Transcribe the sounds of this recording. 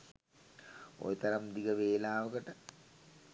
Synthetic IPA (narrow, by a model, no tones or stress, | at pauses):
o̰jet̪ɐɾɐmd̪iɡəʋeːlaːʋəkəʈə